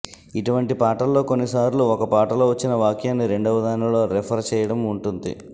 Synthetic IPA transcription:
iʈuʋɐɳʈipaːʈɐlːo̞ːko̞nːisaːɾluɔkɐpaːʈɐlo̞ːʋɐt͡ʃːinɐʋaːkjaːnːiɾe̞ɳɖɐʋɐd̪aːnɐlo̞ːɾepʰɐɾt͡ʃɛːjɐɽɐmuɳʈund̪ḭ

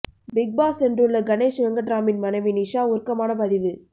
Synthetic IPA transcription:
bɪɡ̚baːsɛndrɯɭːɐɡɐneːʃɐŋɡɐʈɾaːmɪnmɐnɐɪʋinɪʂaːʊɾkɐmaːnɐpɐðɪʋɯ

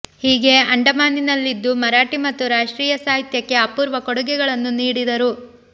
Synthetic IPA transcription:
hiːɡe̞ɐɳɖɐmaːninɐlːid̪ːumɐɾaːʈimɐt̪ːuɾaːʂʈɾiːjɐsaːɦit̪jɐkːe̞ɐpːuːɾʋɐkɔɽuɡɛɡɐɭɐnːuniːɽid̪ɐɾu

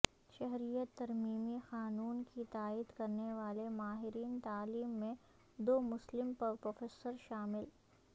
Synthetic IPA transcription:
ʃɛɦɾijət̪ːɐɾmiːmixaːnuːnkit̪aːiːd̪kɐɾneʋaːlemaːɦɪɾiːnt̪aːliːmːẽ | d̪oːmʊslɪmpɐpɾoːfeːsəɾʃaːmɪl

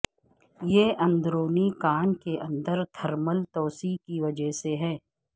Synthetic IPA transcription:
jeʔɐ̃nd̪ɾoːnikaːnkeʔɐ̃nd̪əɾt̪ʰɐɾməlt̪ɔːsikiʋɐd͡ʒəɦseɦɛː

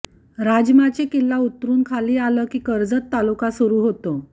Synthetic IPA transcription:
ɾad͡ʑmat͡ɕekilːaut̪ːɾuːnkʰaliːaləːkiːkəɾd͡zət̪ːalukasuɾuːɦot̪o

